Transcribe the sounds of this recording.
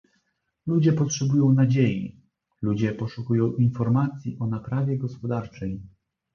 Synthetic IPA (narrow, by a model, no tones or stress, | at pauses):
lud͡ʑɛpɔtʂɛbujɔ̃w̃nad͡ʑejḭ | lud͡ʑɛpɔʂukujɔ̃w̃ʔinfɔɾmat̪sʲjiʔɔnapɾavʲjɛɡɔspɔd̪aɾt͡ʂɛj